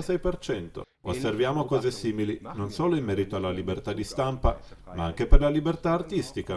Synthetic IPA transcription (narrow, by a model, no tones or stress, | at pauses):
sɛjpert͡ʃɛnt̪o̰ | osːervjaːmokɔːzesiːmilinonsoːloimːɛːɾit̪oalːalibert̪ad̪ːist̪ampamaaŋk̟eperlalibert̪aːrt̪ist̪ika